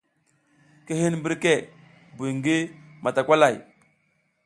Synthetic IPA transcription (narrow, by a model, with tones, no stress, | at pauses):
ke˦ɦi˦nbi˦ɾke˦˨ | bu˨jŋɡi˦ma˨ta˨kʷa˦la˨j